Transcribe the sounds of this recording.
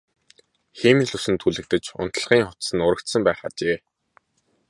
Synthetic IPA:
xiːmɘ̆ɮʊsɘ̆nt̪ʰuɮɘ̆k̚t̪ɘ̆t͡ɕʊ̰n̥t̪ə̆ɮ̆ʁiːŋχʊt̪sɘ̆nʊɾə̆kt̪sə̆mpæːχa̰t͡ɕ̪eː

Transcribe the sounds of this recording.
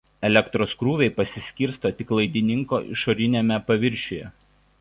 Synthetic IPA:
ɛlʲɛkt̪ɾoːskɾuːʋʲɛɪpɐsʲɪsʲkʲɪɾst̪ɐt̪ʲɪklˠɐɪd̪ʲɪnʲɪŋko̰ːʔɪ̰ʃoːɾʲɪnʲeːmʲɛpɐʋʲɪɾʲˑʃʲojɛ

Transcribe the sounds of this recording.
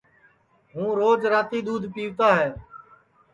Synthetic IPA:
ɦũːɾoːd͡ʒɾaːt̪iːɗ̪uːd̪ʱpiːʋt̪aːɦeː

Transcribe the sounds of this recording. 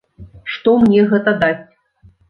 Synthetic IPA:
ʂt̪ɔmnʲɛɣɛt̪ɐd̪asʲtʲ

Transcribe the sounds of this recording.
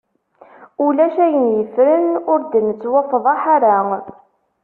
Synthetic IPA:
ulæʃæjənjəfɾənʊɾd̪mət͡sːwɑfðˤɑħaɾa

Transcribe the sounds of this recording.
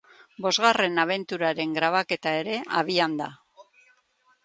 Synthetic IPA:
bo̞zɣare̞naβ̞e̞nt̪uɾaɾe̞ŋɡɾaβ̞ake̞t̪ae̞ɾe̞aβiand̪a

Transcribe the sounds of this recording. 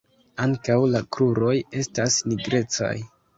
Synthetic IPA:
aŋkawlakɾuɾo̞je̞stasniɡɾe̞t͡sa̰j

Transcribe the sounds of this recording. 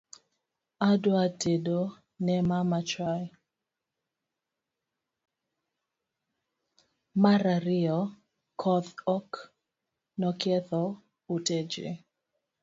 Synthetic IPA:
adwatedo | nɛmamat͡ʃwa | maɾaɾɪɔ | kʰɔðɔk | nɔkjɛθɔ | uted͡ʒɪ̰

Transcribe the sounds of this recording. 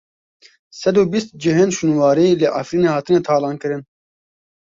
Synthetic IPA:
sɛd̪uːbist̪̚d͡ʒɪɦeːnʃunwɑːɾiːlɨʔɑfɾiːneːhɑːt̪ɨneːt̪ʰɑːlɑːnkɨɾɨn

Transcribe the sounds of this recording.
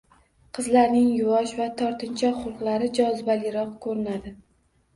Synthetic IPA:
qʰɨzlaɾnɪŋjʊvɒʃvat̪ʰɒɾt̪ʰɪnt͡ʃʰɒχʊlˠqlˠaɾɪd͡ʒɒzɪbalɪɾɒqkʰɵɾɪnad̪ɪ

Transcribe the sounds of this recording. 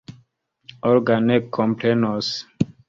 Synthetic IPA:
ʔɔɾɡanikʰːɔ̃mpʰlenɔs

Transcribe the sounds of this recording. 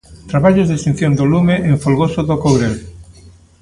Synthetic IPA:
t̪ɾaβaʎozðest̪in̟θjõnd̪olumeʔeɱfolɣosoðokoβɾel

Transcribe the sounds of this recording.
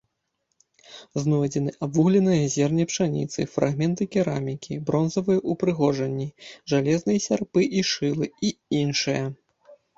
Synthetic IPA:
znɔjd͡zʲɛnɨʔabvuɣlʲɛnɨjɐzʲɛrnʲɐpʂanʲḭt̪sɨfɾʔa̰ɣmʲɛnt̪ɨkʲiɾamʲikʲʰibɾɔnzɐvɨjɐʔupɾɨɣɔʐɐnʲːiʐalʲɛznɨjɐsʲarpɨʔiʂɨlˠɨiinʂɨjɐ

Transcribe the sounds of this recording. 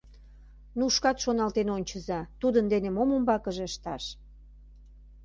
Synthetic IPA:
nuʃkɑt̪ʃonɑlt̪enonʲt͡ɕəzɑt̪ud̪ənd̪enemomombɑkəʒeʃt̪ɑʃ

